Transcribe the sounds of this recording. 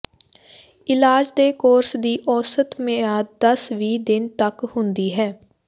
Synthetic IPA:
ɪlaːd͡ʒd̪eːkoːɾsd̪iːʔɔːsət̪meaːd̪əsʋiːd̪ɪnt̪əkhʊnd̪iːɦɛː

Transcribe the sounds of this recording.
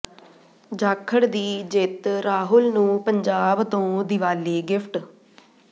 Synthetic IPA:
d͡ʒaːkʰəɽd̪iːd͡ʒɪt̪ɾaːɦʊlnũːpəɲd͡ʒaːbt̪õːd̪ɪʋaːleːɡɪpʰʈ

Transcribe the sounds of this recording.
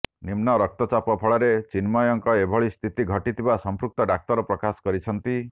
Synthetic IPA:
nimnɔɾɔk̚t̪ɔt͡ʃapɔpʰɔɭɔɾet͡ʃinmɔjɔŋkɔebʱɔɭist̪ʰit̪iɡʱɔʈit̪ʰibasɔmpɾuk̚t̪ɔɖak̚t̪ɔɾɔpɾɔkasɔ̥kɔɾit͡ʃʰɔnt̪i

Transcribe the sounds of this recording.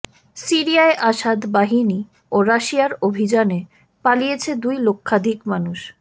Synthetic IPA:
siɾiaeʔaʃad̪baɦini | oɾaʃiaɾobʱid͡ʑane | palijet͡ɕʰed̪ujlokʰːad̪ʱikmanuʃ

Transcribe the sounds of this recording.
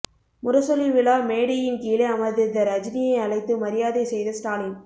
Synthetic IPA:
mʊɾɐsɔliʋɪlaːmeːɽɪjɪnkiːlɐɐmɐɪðɯd̪ɐɾɐd͡ʒnɪjɐɪɐɭɐɪt̪ːɯmɐɾɪjaːðɐɪsɛjðɐsʈaːlɪŋ

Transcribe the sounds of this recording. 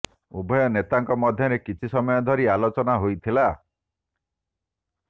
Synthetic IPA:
ubʱɔjɔnet̪aŋkɔmɔd̪ʱjɔɾekit͡ʃʰisɔmɔjɔd̪ʱɔɾialot͡ʃɔnaɦojt̪ʰila

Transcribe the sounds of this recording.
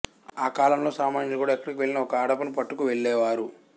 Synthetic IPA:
aːkaːlɐmlo̞ːsaːmaːɲɐlkuːɽaːɛkːɐɽikiʋe̞ɭːinɐɔkɐɐɽɐpɐnupɐʈːukuʋeɭːɛːʋaːɾu

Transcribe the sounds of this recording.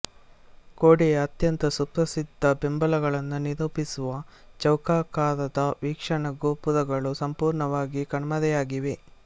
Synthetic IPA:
koːɽejɐt̪jɐnt̪ɐsupɾɐsid̪ʱːɐbembɐlɐɡɐɭɐnːuniɾoːpisuʋɐt͡ʃɐwkaːkaːɾɐd̪ɐʋiːkʂɐɳɐɡoːpuðɐɡɐɭusɐmpuːɾɳɐʋaːɡikɐɳɐmɐd̪ɛjaːɡiʋe̞

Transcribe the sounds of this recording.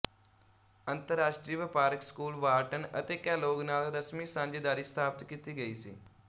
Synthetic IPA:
ɐ̃nt̪əɾːaːʃʈɾiːʋɪpaːɾəkskuːlʋaːʈənɐt̪eːkɛːloːɡnaːlɾɐsmisãːɲd͡ʒed̪aːɾist̪ʰaːpət̪kit̪iɡɐisḭː

